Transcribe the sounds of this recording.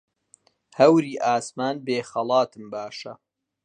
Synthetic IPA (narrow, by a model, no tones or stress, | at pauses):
hɐwɾiːʔaːsmaːnbeːxɐlˠɑːt̪ɨmbaːʃɐ